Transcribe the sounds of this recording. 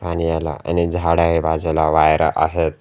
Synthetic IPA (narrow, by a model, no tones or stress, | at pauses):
paɽ̃iala̰ʔa̰nid͡zʱaɽaɦibʱad͡zalaʋajɾa̰ʔaɦet̪